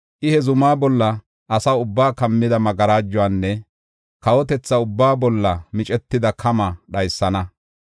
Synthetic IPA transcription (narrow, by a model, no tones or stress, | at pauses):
ʔɪhɛzʊmaːbɔlːɐ | ʔːsɐwʊbːaːkɐmːɪd̪ɐmɐɡɐɾaːd͡ʒːʊaːnːɛ | kɐwɔt̪ɛt͡sːɐʊbːaːbɔlːɐmɪt͡ʃʼɛt̪ːɪd̪ɐkʰɐmɐɗɐjsːɐnɐ